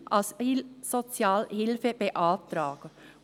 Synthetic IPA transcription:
ʔɑssot͡sjɑːlhɪlfəb̥eʔɑːtɾɑːɡ̥ə

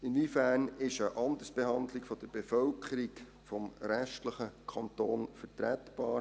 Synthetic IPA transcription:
ɪnʋifæːnɪʃəʔɑnd̪əɾsb̥ehɑndlɪkfɔd̥əɾb̥efœlkʰəɾik | fɔmɾɛʃtləχəkʰɑntoːnfətɾɛtb̥ɑːɾ

